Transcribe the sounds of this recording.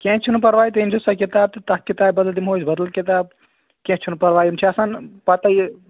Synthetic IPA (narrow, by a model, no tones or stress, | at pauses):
kẽt͡ʃʰinupɐɾʋaːjt̪̬ɐind͡ʒʱusɐkit̪aːb̚t̪ɨt̪ɐkːit̪aːbbɐd̪əld̪imɦoːjsbɐd̪əlkit̪aːb̚ | kẽt͡ʃʰunupɐɾʋaːjimt͡ʃʰiɐsanpɐt̪ɐj